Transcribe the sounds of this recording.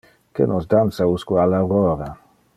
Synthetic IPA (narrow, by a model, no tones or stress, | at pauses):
kḛnɔsd̪ant̪sauskualawɾɔːɾa